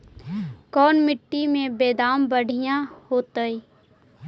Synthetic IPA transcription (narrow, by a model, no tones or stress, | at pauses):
kɔːnmɪʈːimẽbeːd̪aːmbəɽ̤ʱijãhoːt̪əi